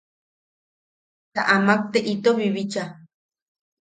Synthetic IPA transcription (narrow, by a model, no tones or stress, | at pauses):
t̪a̰ʔamak̚t̪eʔit̪oβiβit͡ʃa